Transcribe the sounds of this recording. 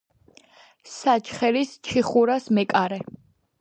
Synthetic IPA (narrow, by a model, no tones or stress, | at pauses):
sat͡ʃʰχɛɾist͡ʃʰiχuɾasmɛkʼaɾɛ